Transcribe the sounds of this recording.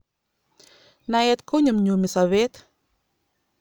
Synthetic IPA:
naet̪koɲamɲumisavet̪

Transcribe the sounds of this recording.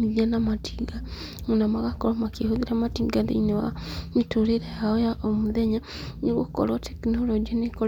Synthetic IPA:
iðianamatʰiɡa | unamaɣakoɾomakehoðiɾamatiɡaðḛinewa̰mituɾeɾejaojaʔomuðeɲa | niɣoko̰lote̥kinolod͡ʒineko

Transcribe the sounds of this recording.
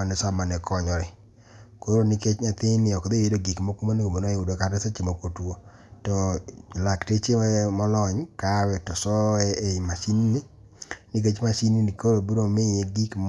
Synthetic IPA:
anɪsamanɛkɔɲɔɾɪ | koɾonɪket͡ʃɲat̪ɪnɪɔkd̪eedoɡikmokumanikomonoeudokaɾeset͡ʃimokotwo | tɔlaktet͡ʃemɔlɔɲkawɛtɔsɔɛeɪmasinini | nɪk̬et͡ʃmasininikoɾobiɾomɪjeɡikm

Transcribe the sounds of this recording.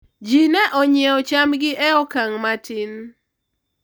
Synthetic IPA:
d͡ʒinɛʔɔɲɪɛɔt͡ʃamɡɪʔɛɔkaŋmatin

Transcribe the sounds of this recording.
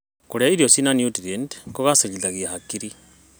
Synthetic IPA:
koɾjaiɾjosinanjutiɾendkoɣasaɲiðaɣiahakiɾi

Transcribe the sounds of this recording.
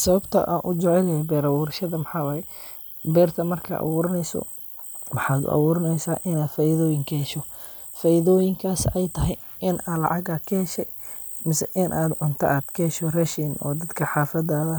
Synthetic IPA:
sɐβɐbt̪ʰɐ̰ʔa̰ːnʔʊd͡ʒɛʕɛlɐjɛbɛːɾɐwuːɾɐʃɐðɐmɐħɑːwaːjɛ | bɛːrt̪ʰɐmɐrkʰɐ̰ʔɐ̰βuːɾɐnɛjsɔ̰ | wɑħɑːd̪ʊ̰ʔɐ̰βuːɾɐnɛjsaːʔɪnaːd̪faːjɪðɔːjɪŋkʰɐhɛʃɔ | faːjɪðɔːjɪŋkʰaːsɛjt̪ʰɐɦɛj | ʔɪnʔaːlɑ̰ʕɑɡaːkʰɐhɛʃɛj | mɪsɛʔɪnʔaːd̪ʕʊnt̪ʰɐ̰ʔaːd̪kʰɐhɛʃɔrɛʃinʔɔ̰ːd̪ɐd̪kʰɐħɑːfɐd̪aːðɐ

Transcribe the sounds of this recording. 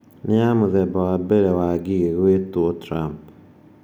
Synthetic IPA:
nɪamʊðɛbɔabeɾewaɡiɡeɡwetwotɾamp

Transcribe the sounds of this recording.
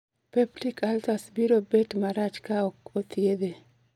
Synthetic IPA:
peblikʰaltasbiɾobetmaɾat͡ʃkaɔkot̪ʰjed̪e

